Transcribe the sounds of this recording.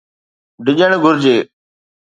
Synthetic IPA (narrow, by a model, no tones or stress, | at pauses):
ɖɪʄəɽ̃ɡʱʊɾd͡ʑeː